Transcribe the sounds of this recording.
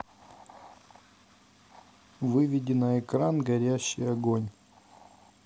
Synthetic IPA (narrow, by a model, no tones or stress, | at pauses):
vɨvʲɪdʲɪnɐɛkɾanɡɐɾʲæɕːɪjɐɡonʲ